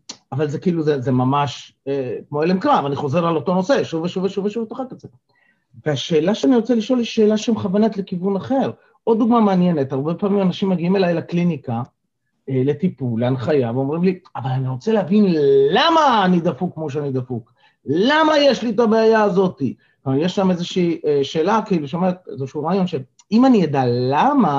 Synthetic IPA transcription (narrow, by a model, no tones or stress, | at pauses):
avalze̞kiiluzezemamaʃekmo̞elemkʁavaniχo̞ze̞ʁalo̞to̞no̞se̞ʃuveʃuveʃuveʃuvet̪oχakat͡set | veaʃe̞ːlaʃeaniʁo̞t͡seliʃo̞liʃːe̞ːlaʃemχavanat̪le̞kivunaχe̞ʁ | ʔo̞d̪̚ːuɡmameanje̞ne̞t̪haʁbe̞paːmimanaʃimːeɡiimelajlaklinika | ele̞t̪ipulːeanχajaveo̞mʁimliavalaniʁo̞t͡seleɦavinlamaːnid̪afukːmo̞ʃ̬eanid̪afuk | lamajeʃlit̪̬abeajaːzo̞t̪i | majeʃlamezeʃiːeʃe̞ːlakiiluʃometezeʃuuʁaːjo̞nʃe | imanijad̪alama